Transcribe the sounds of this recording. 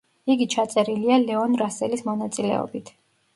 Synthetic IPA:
iɡit͡ʃʰat̪sʼɛɾilialɛɔnɾasɛlismɔnat̪sʼilɛ̰ɔ̰bit̪ʰ

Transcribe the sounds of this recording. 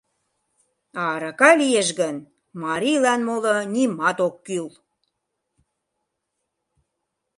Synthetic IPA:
ɑɾɑkɑlijeʃɣən | mɑɾilɑnmolɤ̆nʲimɑt̪okːyl

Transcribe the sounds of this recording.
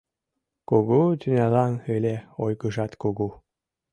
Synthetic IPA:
kuɣud̪ynʲɑlɑnølʲeojɣəʒɑt̪kuɣu

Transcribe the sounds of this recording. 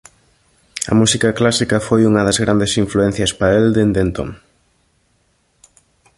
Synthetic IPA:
ɐ̰musikɐklasikɐfojuŋɐðɐzɣɾʔand̪esiɱfluɛn̟θjɐspɐeld̪end̪ent̪o̰ŋ

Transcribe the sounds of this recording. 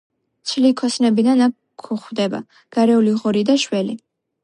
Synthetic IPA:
t̪sʰlikʰɔsnɛbid̪anakʰːuχwd̪ɛba̰ | ɡ̥aɾɛuliʁɔɾid̪aʃwɛli

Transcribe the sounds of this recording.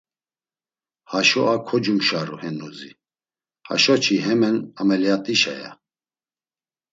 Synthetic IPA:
haʃɔʔakʰɔd͡ʒumʃaɾṵhɛnuzi | ha̰ʃɔt͡ʃʰiɦɛmɛnamɛlɛat̪ʼiʃa̰ja̰

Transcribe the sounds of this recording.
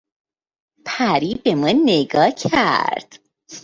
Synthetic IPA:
pʰæɾibemɔnːeɡɒːcʰæ̰ɾd̪̥

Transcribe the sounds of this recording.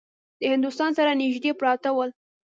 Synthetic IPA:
d̪əhɪnd̪ust̪ɑnsaɾanɪʒd̪epɾɑt̪awəl

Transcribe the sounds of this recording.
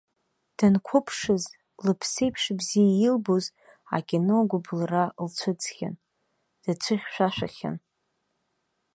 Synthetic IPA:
d̥ankʷʰʊpʰʂɨz | lɨpʰsejpʰʂbzijajɪlboz | a̰kʲʼino̞ɡʷʊblralt͡ɕʷʰɨt͡sʰχʲa̰n | d̥at͡ɕʷʰɨχʲʃʷᶣaʃʷᶣaχʲa̰n

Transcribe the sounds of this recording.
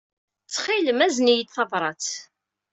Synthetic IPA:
t͡sːχiləmæznijit̪θɑvɾˤɑt͡s

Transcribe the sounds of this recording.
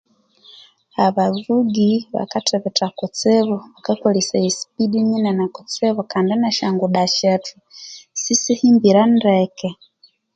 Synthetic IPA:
aβavuɡiβa̰katʰɛβɛtakɔt͡sɛβɔβakakɔlisaisi̥piɗiɲinanakɔt͡sɛβɔkandɛnaʃaŋɡuɗaʃɛtusisihimbiɾanɾɛkɛ

